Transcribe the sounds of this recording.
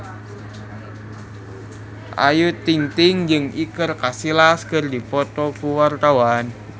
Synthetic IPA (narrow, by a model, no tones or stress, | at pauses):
ʔa̰jut̪ːiŋt̪ɪŋd͡ʒɨŋikərkasilaskərdipɔt̪ɔkuwart̪awan